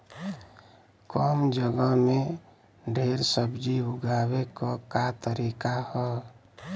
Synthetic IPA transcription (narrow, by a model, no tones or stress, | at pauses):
kɔmd͡ʒəɡəme | ɖʱeɾsəbd͡ʒiɦuɡabekɔkat̪əɾikahɔ